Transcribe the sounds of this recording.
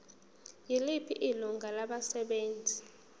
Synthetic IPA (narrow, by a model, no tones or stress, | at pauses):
jilipʰḭʔiluŋɡʱalaɓasɛɓeːnd͡zʱi